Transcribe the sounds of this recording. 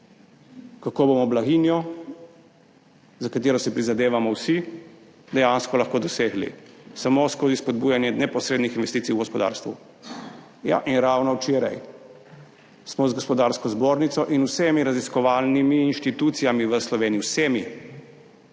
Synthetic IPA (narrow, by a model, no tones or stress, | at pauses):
kakoːbomɔblaɣinjɔ | zakat̪eːɾɔsipɾizad̪eːʋamɔwsi | d̪ɛjanskɔlaxkoːd̪ɔseːɡlḭsamoskoːzispɔd̪̚bujanjɛnɛpɔsɾeːd̪nixinʋɛst̪iːsiuɡɔspɔd̪a̰ːɾst̪ʋu | ja̰ʔinɾawnɔwt͡ʃeːɾa̰j | smɔzɡɔspɔd̪aɾskɔzboːɾnit̪sɔʔinusemiɾaziskɔʋalnimiːnʃt̪it̪uːt̪sijamiʋəslɔʋeːnijisemi